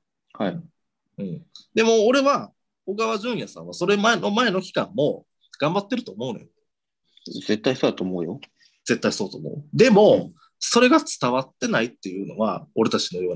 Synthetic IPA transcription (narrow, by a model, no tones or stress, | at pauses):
hai | ɯ̟̃ɴd̪e̞mo̞ːɾe̞βa | oɡaβaʑɨ̃ɰ̃jasã̰ɰ̃aso̞ɾe̞maeno̞mae̞no̞kʲi̥kãmːo̞ | ɡ̥ãmbat̪ːe̞ɾɯ̟t̪o̞ːmo̞ɯ̟nojo | ze̞t̪ːaisoːd̪at̪oːmoːjo | z̥e̞t̪ːaiso̞ːt̪o̞̰ːmo̞̰ɯd̪e̞mo̞ | so̞ɾe̞ɡat͡sɨ̥t̪aβat̪ːe̞nait̪ːe̞jɯ̟ːno̞̰βa̰o̞ɾe̞t̪at͡ɕino̞jo̞ːn